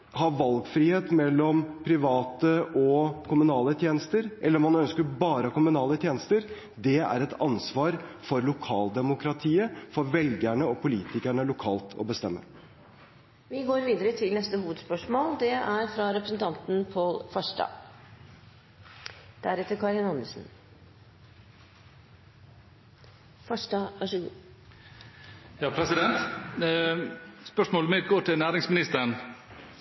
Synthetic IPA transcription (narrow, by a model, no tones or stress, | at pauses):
hɑʋɑlɡfɾiːheːt̪mɛlːɔmpʰɾɪʋɑːt̪əʔɔkʰʊmʉnɑːlət̪ʰjeːnəst̪əɾʔɛlːəɾmɑnœnskəɾbɑːɾəɑkʊmʉnɑːlət̪ʰjeːnəst̪əɾ | d̪ɛæ̰ɾɛt̪ɑnsʋɑːɾfɔɾlʊkʰɑːld̪ɛmʊkɾɑt̪ʰiːəfɔɾʋɛlɡæɳəɔpʰʊliːt̪ɪkæɳəlʊkʰɑːlt̪ʰɔ̰bəst̪ɛmːə̰ | ʋɪɡoːɾʋiːd̪əɾət̪ʰɪlnɛst̪əhuːʋəd̪spœʂmoːld̪ɛæɾfɾɑɾɛpɾəsən̩t̪ʰɑnt̪n̩pʰoɔlfɑʂʈɑ̰ | d̪̥æɾɛt̪ːəɾkʰɑɾɪnɑnːəsn̩ | fɑʂʈɑʋɑʂəɡṵː | jɑːpʰɾɛsɪd̪ɛnt̪ | spœʂmoːlmɪd̪ɡoːʈʰɪlnæːɾɪŋsmɪnɪst̪əən